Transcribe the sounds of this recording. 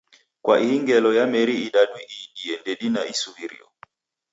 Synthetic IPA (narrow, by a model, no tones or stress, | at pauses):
kwa̰ʔiiŋɡɛlɔjamɛɾiːɗaɗwiʔiɗiɛndɛɗinaisuiɾḭɔ̰